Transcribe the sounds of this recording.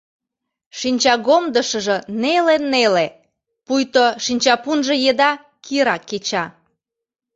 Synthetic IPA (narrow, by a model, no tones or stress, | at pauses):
ʃinʲt͡ɕɑɣomd̪əʃə̆ʒə̆nelenːele | pujt̪oʃinʲt͡ɕɑpunʒĕjed̪ɑ | kʰiɾɑkːet͡ɕɑ